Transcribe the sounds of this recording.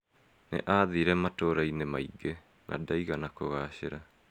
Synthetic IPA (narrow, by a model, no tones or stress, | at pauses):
nḛʔaːðiɾɛmatoɾainemaiɡe | nʔa̰daiɣanakoɣaɕeɾa